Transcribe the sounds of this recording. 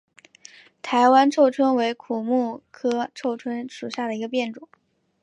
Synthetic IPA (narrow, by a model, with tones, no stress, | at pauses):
t̪ʰa˧˥ɪwa˥nʈ͡ʂʰo˥˩ʊʈ͡ʂʰwə˥nwe˧˥ɪkʰu˨˩mu˥˩kʰɤ˥ʈ͡ʂʰo˥˩ʊʈ͡ʂʰwə˥nʂu˨˩ɕja˥˩d̪ə˩i˧˥ɡə˧pjɛ˥˩nʈ͡ʂʊ˨˩˦